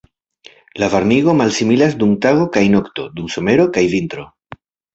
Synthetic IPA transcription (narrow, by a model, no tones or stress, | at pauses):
lavaɾniɣo̞malsimilasdumtaɣo̞kajno̞kto̞dumso̞me̞ɾo̞kajvint̪ɾo̞